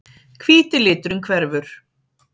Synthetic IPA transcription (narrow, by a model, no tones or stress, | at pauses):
kʰviːt̪ɪlɪːt̪ɾʏmkʰvɛɾvʏɾ̥